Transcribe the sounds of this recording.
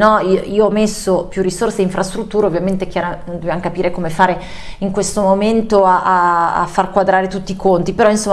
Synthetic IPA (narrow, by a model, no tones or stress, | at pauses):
nɔioiːoɔmesːopjurːisorseiɱfɾʔast̪ɾut̪ːuːɾeovjament̪eɛkjaɾanond̪objamokapiːɾʔekomefaːɾe | iŋkwest̪omoment̪oaʔaa̰fːarkwad̪ɾaːɾet̪ut̪ːiːkont̪ipeɾɔinsom